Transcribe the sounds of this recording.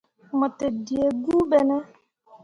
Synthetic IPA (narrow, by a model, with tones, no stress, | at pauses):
mə˨te˨di˨e˨ɡu˦bɛ˦nɛ˦